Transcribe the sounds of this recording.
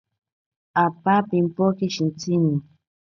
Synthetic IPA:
apapimpokiʃint͡sini

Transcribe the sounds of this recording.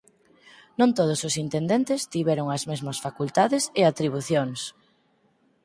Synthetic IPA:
nõnt̪oð̞ʊsʊsint̪end̪ent̪ɪst̪iβɛɾoŋɐzmezmɐsfakult̪aðɪseat̪ɾiβ̞uθjoŋs

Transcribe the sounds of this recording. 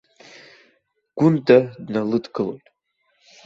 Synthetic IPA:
ɡ̥ʷʊndadnalɨdɡɨlo̞jtʼ

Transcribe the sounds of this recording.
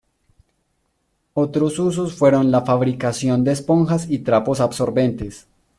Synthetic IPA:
o̞t̪ɾosus̬osfwe̞ɾo̞nlafaβɾikasjo̞nd̪e̞espo̞ŋxasit̪ɾapo̞sabso̞ɾbe̞nt̪e̞s

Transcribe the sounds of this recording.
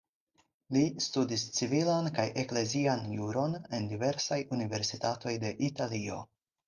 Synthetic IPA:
listudist͡sivilankajʔe̞kle̞zianjuɾo̞ne̞ndive̞ɾsajunive̞ɾsitato̞jde̞ʔitalio̞̰

